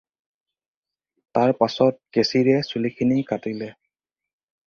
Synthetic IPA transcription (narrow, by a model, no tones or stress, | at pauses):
taɹpasɔt̚ɡesiɹɛsulikʰinikatilɛ